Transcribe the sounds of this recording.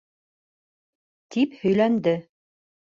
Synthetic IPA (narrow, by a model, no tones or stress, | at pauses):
t̪iphɵ̆jlænd̪ɘ